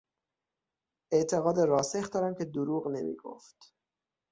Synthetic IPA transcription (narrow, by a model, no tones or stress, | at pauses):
e̞ʔt̪ʰe̞ɣɒːd̪eɾɒːsexd̪ɒːɾæmcʲʰe̞d̪uɾuːɣne̞̰mḭːɡ̥o̰ft̪